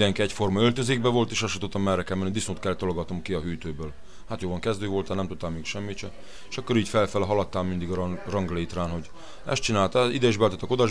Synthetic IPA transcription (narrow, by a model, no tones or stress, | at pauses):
d̪ɛŋkiɛcfo̞rmɒølt̪øzeːɡ̚bɛvo̞lt̪eːʃɒʃut̪ot̪ːɒmːɛrɛkɛmɛnid̪isnoːt̪̚kɛlːɛt̪ːoloɡɒt̪nomkiɒɦyːt̪øːbøːl | haːt̪joːvɒŋkɛzd̪øːvo̞lt̪anɛmt̪ut̪t̪ːaːmmeːkʃɛmːit͡ʃɛ | eʃɒkːoɾiːɟfɛlfɛlɒɦɒlɒt̪ːaːlmind̪iɡɒrɒŋɡleːt̪raːnɦo̞ɟ | ɛ̰st̪̚t͡ʃinaːlt̪ɛid̪ɛiʒbɛlt̪ɛt̪ːɛko̞d̪ɒʒ